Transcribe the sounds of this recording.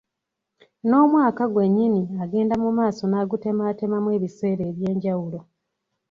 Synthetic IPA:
no̞ːmwaːkaɡwe̞ɲːiniaɡe̞ːndamumaːso̞naːɡute̞maːte̞mamwe̞ːβise̞ːɾe̞ːβje̞ːɲɟawulo̞

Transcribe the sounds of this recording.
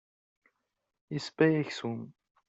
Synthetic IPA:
isbæjæçsum

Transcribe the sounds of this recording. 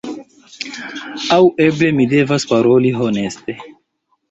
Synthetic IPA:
awe̞ble̞mide̞vaspaɾo̞liɦone̞ste̞

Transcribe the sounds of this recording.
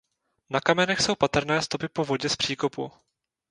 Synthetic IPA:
nakamɛnɛxso̞wpat̪ɾnɛːst̪o̞pɪpo̞vo̞ɟɛspr̝̥iːko̞pṵ

